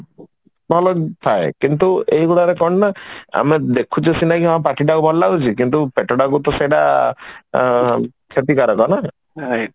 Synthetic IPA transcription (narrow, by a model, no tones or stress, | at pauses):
bʱɔlɔt̪ʰaekint̪̬uejɡuɭaɾekɔɽ̃naa̰med̪ekʰut͡ʃusinakiɔapaʈiʈaubʱɔlːaut͡ʃʰikint̪upeʈɔɽakut̪ɔseɖa | kʰet̪ikaɾɔkɔna | ɾaj